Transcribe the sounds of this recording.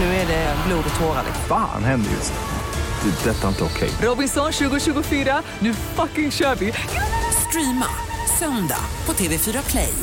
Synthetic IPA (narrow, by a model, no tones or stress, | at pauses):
nʉ̟ːæɖɛbluːd̪t̪ʰoːɾa̰d̪ɛ̰fa̰ːnhɛnd̪əɾɪ̰s | d̪̥ɛd̪ɛt̪ːaɪnt̪əɔkʰɛ̰jɾɔbɪnsɔnɕʉ̟ːɡʊɕʉ̟ːɡʊfyːɾa | nʉ̟ːfakɪŋɕœːɾvɪ | st̪ɾiːma̰ | sœnd̪a̰pʰɔt̪ʰeːveːfyːɾakʰlɛ̰j